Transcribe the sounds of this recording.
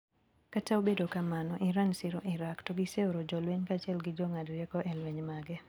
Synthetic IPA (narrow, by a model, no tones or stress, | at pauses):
kataobedokamanɔʔɪɾansɪɾɔʔɪɾaktoɡɪseoɾod͡ʒɔlweɲkat͡ʃɛlɡɪd͡ʒɔŋadɾjɛkɔʔɛlweɲmaɡɛ